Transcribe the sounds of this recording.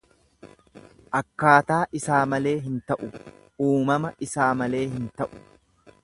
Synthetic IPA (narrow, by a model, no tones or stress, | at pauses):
ʔɐkːaːt̪aːʔɪsaːmɐle̞ːɦɪnt̪ɐʔʊ | uːmɐmɐʔɪsaːmɐle̞ːɦɪnt̪ɐʔʊ̥